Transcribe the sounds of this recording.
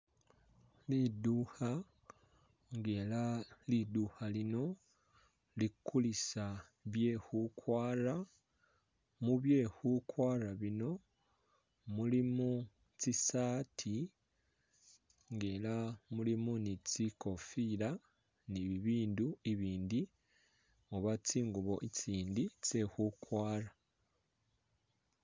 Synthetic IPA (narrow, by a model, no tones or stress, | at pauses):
liduha | ŋɡeːlaliduhalino̞ | likːulisa | βje̞ːhukʰwaːɾa | muβje̞ːhukwaːɾaβino̞ | mulimu | t͡sisaːtʰi | ŋɡelamulimunit͡siko̞fiɾa | niβiβiːnduiβiːndi | oβat͡siːŋɡuβo̞ʔit͡siːndit͡se̞hukwaːɾa